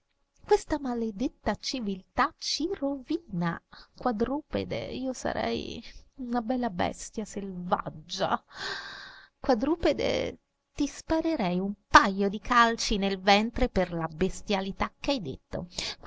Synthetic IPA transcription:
kwest̪amaled̪et̪ːat͡ʃivilt̪at͡ʃiroviːnakwad̪ɾuːpḛd̪ḛiːosa̰ɾʔɛ̰junabɛlːabɛ̰st̪jaselv̰a̰d͡ʒːa̰ | kwad̪ɾuped̪ḛ | t̪ispaɾeɾɛjumpajːod̪ikalt͡ʃinelvɛnt̪ɾeperlabest̪jalit̪akːajd̪ḛt̪ːo̰

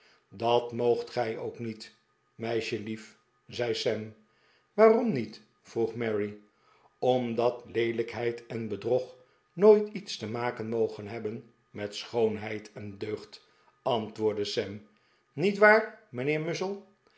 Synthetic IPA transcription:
dɑtmowχtχɛjo̰wknit | mɛjʃəlif | zɛjsɛm | ʋaːrɔmnit | fruχmɛɹi | ɔmdɑtlejdləkɦɛjtɛnbədrɔχ | noːjtitstəmaːkənmowχənɦɛbən | mɛtsχownɦɛjtʰɛndøɥχt | ɑntʋʊːɹdəsɛm | nitʋaːɹmənɪːɹmʏsəlˠ

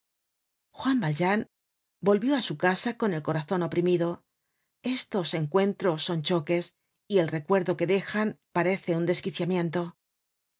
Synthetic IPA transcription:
xwambald͡ʒan | bo̞lβjo̞asukasako̞ne̞lko̞ɾaθo̞no̞pɾimiðo̞ | e̞st̪o̞se̞ŋkwe̞nt̪ɾo̞sːo̞nt͡ʃo̞ke̞s | ie̞lre̞kwe̞ɾðo̞ke̞ðe̞xanpaɾe̞θe̞und̪e̞skiθjamje̞nt̪o̞

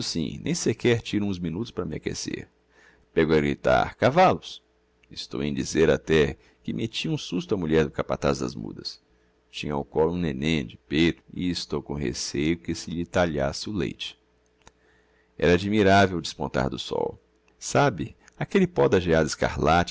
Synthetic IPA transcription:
ʊsḭ̃nʔḛ̃j̃sekɛɾt͡ʃiɾũzmĩnut̪ʊ̥spɾɐmɪakḛsḛɾ | peɡʊɐɡɾit̪a̰ɾkavalʊs | ɪst̪o̰wẽj̃d͡ʒizeɾat̪ɛ | kɪmʔet͡ʃiũsust̪ʊɐmuʎɛɾd̪ʊkapa̰t̪azd̪ɐ̰zmṵd̪ɐs | t͡ʃĩɲɐʊkɔlũnenẽd͡ʒɪpejt̪ʊɪːst̪owkõɦḛsejʊkɪsɪʎɪt̪aʎasɪʊlḛjt͡ʃɪ̥ | ɛ̰ɾɐad͡ʒimiɾavewd͡ʒɪspõnt̪a̰ɾd̪ʊsɔ̰w | sabɪ | akelɪpɔd̪ɐʒiad̪ɪska̰ɾlat͡ʃ

